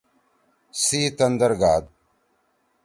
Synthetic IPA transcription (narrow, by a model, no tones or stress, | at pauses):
sit̪and̪aɾɡaːd̪̚